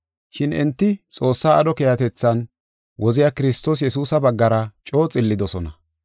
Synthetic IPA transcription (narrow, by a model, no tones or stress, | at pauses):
ʃɪnɪ̰nt̪ːɪt͡sʼo̞ːsːaːɐd̪ɔkejɐt̪ɛt͡sːɐn | wɔzɪjaːkɪɾɪst̪o̞ːs̬jɛsuːsɐbɐɡːɐɾɐt͡ʃʼo̞ːt͡sʼɪlːɪd̪ɔsɔnɐ